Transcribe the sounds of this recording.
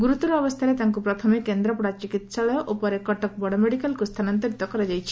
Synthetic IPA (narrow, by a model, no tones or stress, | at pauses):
ɡuɾut̪ɔɾɔbɔst̪ʰaɾet̪aŋkupɾɔt̪ʰɔmekend̪ɾɔpɔɽat͡ʃikit̪saɭɔjɔʔopɔɾekɔʈɔk̚bɔɽɔmeɽikalkust̪ʰanɔnt̪ɔɾit̪ɔkɔɾad͡ʒajt͡ʃʰi̥